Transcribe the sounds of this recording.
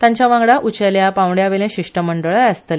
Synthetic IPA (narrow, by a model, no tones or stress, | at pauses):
t̪jãɲt͡ɕjaʋãŋɡɽaʔut͡ɕəljapãwɳɖjaʋelẽɕiʂʈəməɳɖəɭaəst̪əle